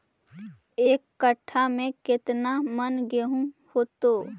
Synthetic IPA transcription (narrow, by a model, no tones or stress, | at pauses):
eːkːəʈʰːamẽkɪt̪namənɡeɦũhoːt̪oː